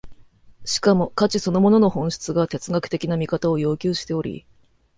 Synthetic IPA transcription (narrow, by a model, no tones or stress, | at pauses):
ɕi̥kamo̞kat͡ɕiso̞no̞mo̞no̞no̞hõ̞ɕi̥t͡sɨɡat̪e̞t͡sɨɡakɯ̟̥t̪e̞kʲinamʲikat̪ao̞jo̞ːkʲɨːɕi̥t̪e̞o̞ɾʲḭ